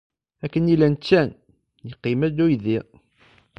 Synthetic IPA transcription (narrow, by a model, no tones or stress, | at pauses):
ækːənilænt͡ʃːæn | jəqːimæd̪ujði